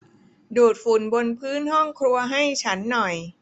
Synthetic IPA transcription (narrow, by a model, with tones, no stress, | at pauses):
duː˨˩t̪̚fu˨˩nbo˧npʰɯː˦˥nɦɔ˥˩ŋkʰɾu˧ɐɦa˥˩jt͡ɕʰa˦˥nːɔ˨˩j